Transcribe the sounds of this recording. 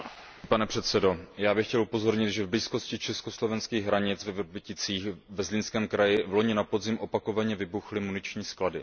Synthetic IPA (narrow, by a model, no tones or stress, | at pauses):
panɛpr̝̥ɛt̪sɛdo̞jaːbɪxcɛlupo̞zo̞ɾɲɪt̪ʒɛvbliːsko̞scɪt͡ʃɛskoslo̞vɛnskiːɣɦɾaɲɪt͡svɛvbɪcɪt͡siːxvɛzlɪnskɛːmkɾajɪvlo̞ɲɪnapod̪zɪmʔo̞pako̞vaɲɛvɪbuxlɪmunɪt͡ʃɲiːskladɪ